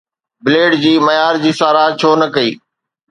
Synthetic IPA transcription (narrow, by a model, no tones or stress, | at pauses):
bɪleːɖd͡ʑiːmɐjaːɾd͡ʑiːsaːɾaːt͡ɕʰoːnɐkɐiː